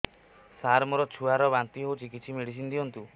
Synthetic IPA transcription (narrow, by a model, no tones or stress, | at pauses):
saɾmoɾɔt͡ʃʰuaɾɔbant̪iɦowt͡ʃikit̪ːsʰimeɽis̬ind̪iɔnt̪u